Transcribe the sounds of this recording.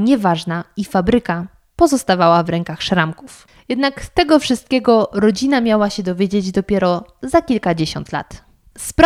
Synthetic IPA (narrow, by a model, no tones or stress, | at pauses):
ɲɛvaʐnaifabɾɘka | pɔzɔst̪avawavɾɛŋkaxʂɾamkuf | jɛd̪nakt̪ɛɡɔfʂɘst̪̚kʲɛɡɔɾɔd͡ʑinamʲjawaɕɛd̪ɔvʲjed͡ʑed͡ʑd̪ɔpʲjɛɾɔzakʲilkad͡ʑeɕɔ̰nt̪la̰t̪ | sp